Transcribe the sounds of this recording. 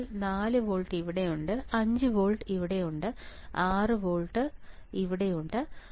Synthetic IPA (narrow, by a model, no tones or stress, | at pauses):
naːlɨʋoːɭʈiʋiɽe̞juɳɖɨɐɲd͡ʑɨʋoːɭʈɨiʋiɽe̞juɳɖɨaːrɨʋoːɭʈːɨiʋiɽe̞juɳɖɨ